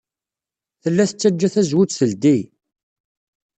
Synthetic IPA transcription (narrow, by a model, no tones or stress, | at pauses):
θəlːæθət͡sːæd͡ʒːæθæzwut͡sθəld̪i